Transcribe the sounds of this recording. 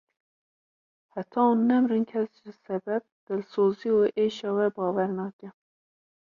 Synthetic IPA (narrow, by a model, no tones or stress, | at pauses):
hæt̪ʰɑːunːɛmrɨnkʲʰɛsʒɪsɛbɛb̚d̪̥ɨlsoːzioʔeːʃɑːwɛbɑːwɛɾnɑːkʲɛ